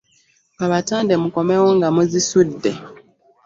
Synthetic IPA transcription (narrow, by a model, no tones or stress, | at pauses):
aβataːnde̞muko̞me̞woŋɡamuzisudːe̞